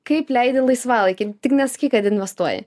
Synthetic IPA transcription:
kɐɪplʲɛɪd̪ʲɪlˠɐɪsʋɑːlˠɐɪkʲɪt̪ʲɪknʲɛsɐ̥kʲɪkɐt̪ɪnʲʋʲɛst̪uɔjɛ̰

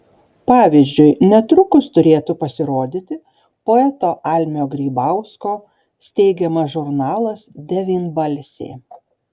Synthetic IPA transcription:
pɑːʋʲizʲd͡ʒʲʊɪnʲɛt̪ɾʊkʊst̪ʊɾʲeːt̪ʊpɐsʲɪɾoːd̪ʲit̪ʲɪ | poːɛt̪oːʔɑːlʲmʲjoːɡɾʲiːbɑˑʊskoː | sʲt̪ʲɛɪɡʲɛmɐsʒʊɾnɑːlˠɐsd̪ʲɛʋʲiːnbɐlʲsʲḛː

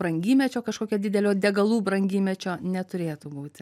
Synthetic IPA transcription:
ɾɐŋʲɡʲiːmʲɛt͡ʃʲoːkɐʃkoːkʲoːd̪ʲɪd̪ʲɛlʲoːd̪ʲɛɡɐlˠuːbɾɐŋʲɡʲiːmʲɛt͡ʃʲoːnʲɛt̪ʊɾʲeːt̪ʊbuːt̪ʲ

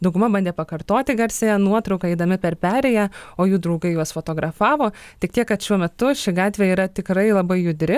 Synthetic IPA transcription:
d̪ɐʊɡʊmɐbɐnʲd̪ʲeːpɐkɐrt̪oːt̪ʲɪɡɐlʲsʲejɛnuɔt̪ɾɒʊkɐɛɪd̪ɐmʲɪpʲɛɾpʲæːɾʲɛjæːoːjuːd̪ɾɐʊɡɐɪjuɔsfoːt̪oːɡɾɐfɑːʋoː | tʲɪkt̪ʲiɛkkɐt̪ʃʲuɔmʲɛt̪ʊʃʲɪɡɑːt̪ʲʋʲeːiːɾɐt̪ʲɪkɾɐɪlˠɐbɐɪjʊd̪ʲɾʲɪ

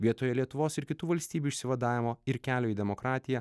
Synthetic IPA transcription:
ʋʲiɛt̪oːjɛlʲiɛt̪ʊʋoːsɪɾkʲɪt̪uːʋɐlʲsʲt̪ʲiːbʲuːɪʃʲsʲɪʋɐd̪ɑːʋʲɪmoːɪɾkʲæːlʲoːiːd̪ʲɛmokɾɑːt̪ʲɪjɛ

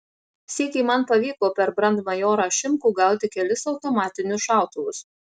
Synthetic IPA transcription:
sʲiɛkʲɛɪmɐnpɐʋʲiːkoːpʲɛɾbɾɐnd̪mɐjoːɾɑːʃʲɪmkuːɡɐˑʊt̪ʲɪkʲɛlʲɪsɒʊt̪oːmɑːt̪ʲɪnʲʊʃɑˑʊt̪ʊʋʊs

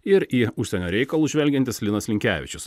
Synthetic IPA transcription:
ɪɾiːʊʃʲsʲɛnʲoːɾʲɛɪkɐlˠuːʒʲʋʲɛlʲɡʲɛnʲt̪ʲɪslʲɪnɐslʲɪŋʲkʲæːʋʲɪ̰t͡ʃʲʊs

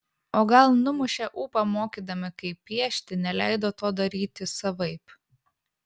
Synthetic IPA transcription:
oːɡɐlˠnʊmʊʃʲɛʔuːpɐmoːkʲiːd̪ɐmʲɪkɐɪpʲːiɛʃʲt̪ʲɪnʲɛlʲæˑɪd̪oːt̪oːd̪ɐɾʲiːt̪ʲɪsɐʋɐɪp

